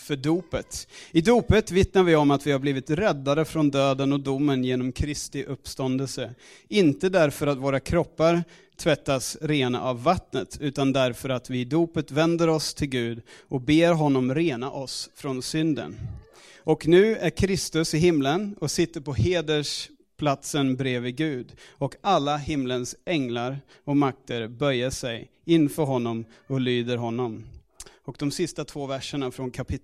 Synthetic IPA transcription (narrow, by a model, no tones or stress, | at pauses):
fœɖuːpət̪ɪd̪uːpət̪vɪt̪naɾvɪɔmat̪vɪhaɾbliːvɪt̪ɾɛd̪ːaɾəfɾɔnd̪øːd̪ənɔd̪ʊmːənjeːnɔmkʰɾɪst̪ɪʔɵpːst̪ɔnd̪əlsə | ɪnt̪əd̪æɾfœɾat̪voːɾakʰɾɔpːaɾ | t̪ʰvɛt̪ːasɾeːna̰ʔavːat̪nət̪ʰʉ̟ːt̪and̪æɾfœɾat̪vɪd̪uːpət̪vɛnd̪əɾɔst̪ʰɪlɡʉ̟ːd̪ʔɔk̚beːɾɦɔnːɔmɾeːnaʔɔsfɾɔnsʏnd̪ə̰n | ʔɔknʉ̟ːæɾkʰɾɪst̪ɵsɪɦɪmlənɔsɪt̪ːəɾpʰɔheːd̪əʂ | pʰlat̪sənbɾeːvɪɡʉ̟ːd̪ɔkʰalːaɦɪmlənsɛŋlaɾ | ɔmak̚t̪ʰəɾbœjːaʂɛj | ɪnːfœɾɦɔnːɔm | ɔlyːd̪əɾɦɔnːɔm | ɔk̚d̪ɔmsɪst̪at̪ʰv̥oːvæʂəɳafɾɔnkʰapʰɪ